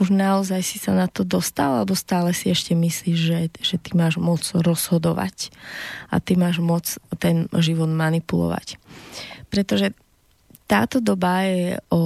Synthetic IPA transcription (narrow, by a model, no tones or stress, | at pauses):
uʒnaɔzajsisanat̪ɔd̪ɔst̪alalɛbɔst̪aːlɛsiɛʃcɛmisliːʒʒɛʒ̥ɛt̪imaːʒmʊɔt͡sɾɔz̥ɦɔd̪ɔʋa̰c | a̰t̪imaːʒmʊɔt͡st̪ɛnʒiʋɔd̪manipulɔ̰ʋa̰c | pɾɛt̪ɔʒɛ | t̪a̰ːt̪ɔd̪ɔbajɛɔ